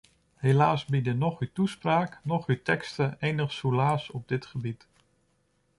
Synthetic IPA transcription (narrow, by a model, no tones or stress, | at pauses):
helaːsbidənɔχytuspraːknɔχytɛkstəeːnəχsulaːsɔb̚dɪtχəbit